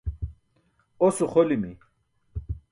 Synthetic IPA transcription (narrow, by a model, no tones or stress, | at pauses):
osuχolimi